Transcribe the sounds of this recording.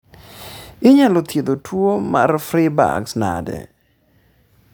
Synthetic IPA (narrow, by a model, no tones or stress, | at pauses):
ɪɲalot̪jed̪otʰwomarfɾiba̰ksna̰dɛ̰